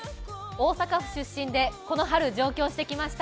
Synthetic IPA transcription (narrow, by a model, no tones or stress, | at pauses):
o̞ːsakaɸɯ̟̥ɕɨɕːĩnd̪e̞ko̞no̞ɦaɾɯ̟d͡ʑo̞ːkʲo̞ːɕi̥t̪e̞kʲimaɕi̥t̪a